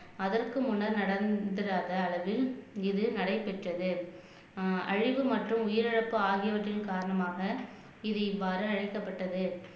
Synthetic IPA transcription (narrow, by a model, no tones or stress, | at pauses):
ɐðɐrkɯmʊnɐɾnɐɽɐnd̪ɪɾaːðɐːlɐʋɪlɪðɯnɐɽɐɪpɛʈrɐðɯ | ɐ̰ɻɪʋɯmɐʈrɯmʊjɪɾɐɻɐpːɯaːɣɪjɐʋɐʈrɪnkaːɾɐɳɐmaːɣɐ | ɪðɐʋːaːɾɯɐɻɐɪkːɐpːɐʈːɐðɯ